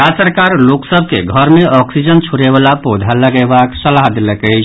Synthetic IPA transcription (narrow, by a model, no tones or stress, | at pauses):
asəɾkaɾloksəb̚ʱkeɡʱəɾmeʔɔksid͡ʒənt͡ʃʰuɾebalapod̪ʱaləɡebaksəlaɦd̪eləkəɪt͡ʃʰ